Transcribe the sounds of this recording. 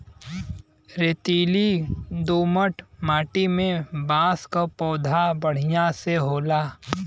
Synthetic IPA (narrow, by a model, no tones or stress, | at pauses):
ɾeːt̪iːlid̪oːməʈmaːʈimẽbaːskapɔːd̪ʱabəɽ̤ɪjãseɦoːlaː